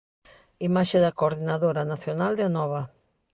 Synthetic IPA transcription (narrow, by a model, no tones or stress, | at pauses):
imaʃeðɐkoɾðinaðoɾanaθjonald̪eanɔβa